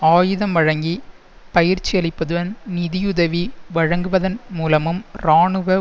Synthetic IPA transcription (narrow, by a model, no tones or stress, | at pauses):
aːjɯðɐmʋɐɻɐŋɡi | pɐjɪɾt͡ʃːiɐɭɪpːɐðɯʋɐnnɪðɪjʊðɐʋiʋɐɻɐŋɡɯʋɐðɐnmuːlɐmɯmɾaːɳɯʋɐ